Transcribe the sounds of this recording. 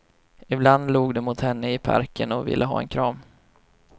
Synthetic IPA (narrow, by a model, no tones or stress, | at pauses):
ɪbland̪luːɡd̪ɛmʊt̪hɛnːəɪpʰa̰ɾkʰənɔvɪ̰lːʔəɦɑ̰ːɛ̰nkʰɾɑːm